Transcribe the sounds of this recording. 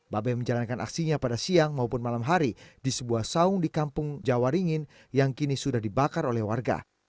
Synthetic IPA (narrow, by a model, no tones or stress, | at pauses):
babɛməɲd͡ʒalankana̰ksiɲapadasiaŋmaupʊnmalamɦaɾidisəbuahsaʊŋdikampʊŋd͡ʒawaɾiŋɪn | jaŋkinisudahdibakarolɛhwarɡa̰